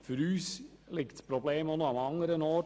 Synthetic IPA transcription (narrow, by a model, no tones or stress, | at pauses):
fʏɾyːslɪktspɾobleːmonoamɑŋəɾənɔː